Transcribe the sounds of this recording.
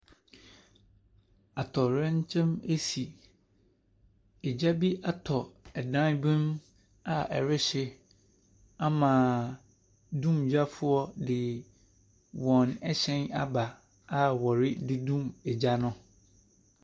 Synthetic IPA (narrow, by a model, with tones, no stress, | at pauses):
a˨tʰɔ˨ɾɛ̃˦ɲ˦t͡ɕʰɛ̃˦me˦si˨ | ɛ˨d͡ʑa˦bi˦ʔa˦tʰɔ˨ɛ˨dã˦nbĩ˦m | a˨ɛ̰˨ɾɪ˦ɕɪ˦ | a˦mãː˨ | dũ˦md͡ʑa˦fʊ˦ɔ˦dɪ˨ | wɔ̃˨nɛ˦ɕɛ̃˦na˦ba˨ | a˨wɔ˨ɾɪ˦dɪ˦dũ˦˨mɛ˨d͡ʑa˦nʊ̃˦